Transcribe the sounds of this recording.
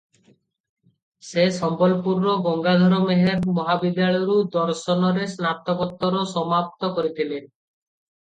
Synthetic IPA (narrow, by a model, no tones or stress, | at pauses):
sesɔmbɔlpuɾnoɡɔŋɡad̪ʱɔɾɔmeɦeɾmɔɦabid̪ːaɭɔjɾud̪ɔɾsɔnɔɾesnat̪ːɔkɔt̪ːɔɾosɔmap̚t̪ɔkoɾit̪ʰilen